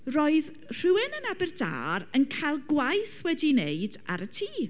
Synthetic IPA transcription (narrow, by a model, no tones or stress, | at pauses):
rɔːɨð | r̥ɨwɪnənabɛrda̰ːɾənkʰajlˠɡwajθwɛdineɨda̰ɾətʰiː